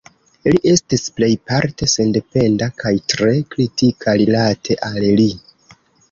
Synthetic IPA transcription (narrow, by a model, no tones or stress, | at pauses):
liʔe̞stisple̞jpaɾte̞se̞nde̞pe̞ndakʰajtɾe̞kɾitikʰaɾilatʰe̞ʔalli